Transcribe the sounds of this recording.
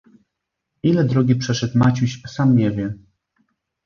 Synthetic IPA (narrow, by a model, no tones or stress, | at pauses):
ilɛd̪ɾɔɡʲipʂɛʂɛt̪mat͡ɕuɕsamɲɛvʲjɛ